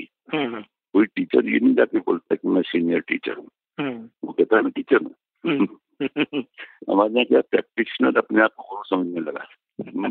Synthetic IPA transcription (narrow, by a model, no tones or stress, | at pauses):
i | koːiʈiːt͡ʃəɾjḛnəĩd͡ʒaːkebo̰ːlt̪aɦɛkimɛ̃siːnijəɾʈḭːt͡ʃə̰ɾɦũ | ʋo̰kɛɦt̪aɦɛmɛ̃ʈiːt͡ʃəɾna̰ | ɐ̰maːɾãkjapɾɛ̰ːk̚ʈɪʃnaɾɐpneaːp̚koɡʊɾosɐməd͡ʒʱmelɐɡa̰ː